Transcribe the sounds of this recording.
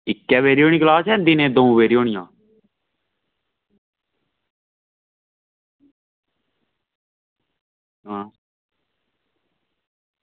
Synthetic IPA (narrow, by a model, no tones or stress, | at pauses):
ɪkːɛːʋeːɾɪjoːɳ̃ĩːklaːsɛːnd̪ɪnẽːd̪oːũːʋeːɾɪjoːɳɪjãː | ɦaː